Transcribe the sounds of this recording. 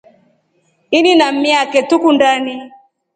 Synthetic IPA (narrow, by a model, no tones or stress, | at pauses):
ininam̩miakɛtukundani